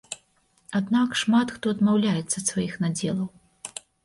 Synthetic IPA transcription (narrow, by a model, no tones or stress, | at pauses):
ad̪nakʂmat̪xt̪ɔd̪mawlʲajɛt̪sɐt̪svajixnad͡zʲɛlˠɐw